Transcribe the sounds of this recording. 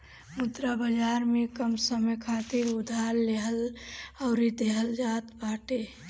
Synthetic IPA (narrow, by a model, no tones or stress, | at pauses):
mut̪ɾabəd͡ʒaɾmekəmsəməjkʰat̪iɾud̪ʱaɾleɦəlaʊɾid̪eɦəld͡ʒat̪baʈe